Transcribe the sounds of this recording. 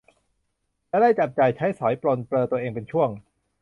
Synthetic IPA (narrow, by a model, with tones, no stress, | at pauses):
lɛː˦˥˩da˥˩jt͡ɕa˨˩p̚t͡ɕa˨˩jt͡ɕʰa˦˥jsɔ˩˦jpɾo˧npɾɤː˧t̪u˧əʔeː˧ŋpe˧nt͡ɕʰu˥˩əŋ